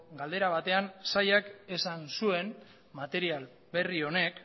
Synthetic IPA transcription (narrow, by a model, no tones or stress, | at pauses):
ɡald̪e̞ɾaβ̞at̪e̞ansajake̞sansue̞n | mat̪e̞ɾial | be̞rio̞ne̞k